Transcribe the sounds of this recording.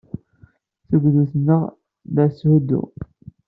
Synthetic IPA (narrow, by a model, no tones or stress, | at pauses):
θəɡʷðuθənːəʁ | ðæshəd̪ṵ